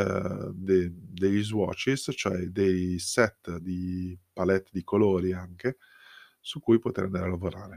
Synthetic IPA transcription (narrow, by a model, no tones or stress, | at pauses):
d̪ed̪eʎːizwɔ̰ːt͡ʃist͡ʃoɛd̪ejsɛt̪ːd̪ipalɛt̪ːd̪ikoloːɾiaŋke | sukːujpot̪eɾand̪aɾalavoɾaːɾe